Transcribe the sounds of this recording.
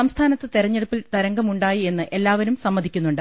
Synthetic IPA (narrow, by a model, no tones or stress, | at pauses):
ɐmst̪ʰaːnɐt̪ːɨt̪iɾɐɲːe̞ɽupːilt̪ɐɾɐŋɡɐmuɳɖaːjie̞nːɨʔe̞lːaːʋɐɾumsɐmːɐd̪ʱikʲːunːuɳɖɨ